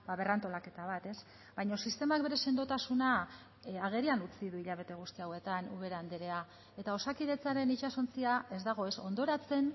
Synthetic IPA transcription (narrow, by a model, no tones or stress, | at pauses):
baβe̞rant̪o̞lake̞t̪aβ̞at̪e̞s | bajɲo̞sist̪e̞mak̚be̞ɾe̞se̞nd̪ot̪asuna | aɣ̞eɾianut͡siðuiʎaβ̞e̞t̪e̞ɣ̞ust̪iawe̞t̪anuβe̞ɾand̪eɾe̞a | e̞t̪ao̞sakiðe̞t͡saɾe̞nit͡ʃaso̞nt͡siae̞zd̪aɣ̞o̞e̞so̞nd̪o̞ɾat͡se̞n